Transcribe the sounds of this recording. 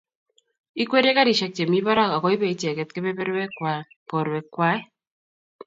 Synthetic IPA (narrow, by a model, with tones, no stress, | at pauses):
i˦kwe˦ɾe˦ka˦ɾi˨ʃɛ˦k̚t͡ʃe˨mi˦βa˦ɾa˦˨ka˨kɔ˦i˦βe˦˨i˦t͡ʃɛ˨kɛ˦t̚ke˦βe˦be˦ɾwɛ˦kwa˨ | pɔ˨ɾwɛ˨kwa˦